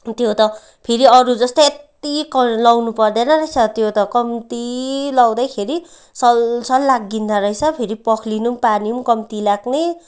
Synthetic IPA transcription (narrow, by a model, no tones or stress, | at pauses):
t̪jot̪ʌ | pʰeɾiʌɾud͡zʌst̪ʌjet̪ikʌlʌwnupʌrd̪enʌrʌjt͡sʰʌt̪jot̪ʌkʌmt̪ilʌwd̪ʌjkʰeɾi | sʌlsʰʌlːaɡːind̪aɾʌjt͡sʰʌpʰeɾipʌkʰlinumpanimkʌmt̪ilaɡne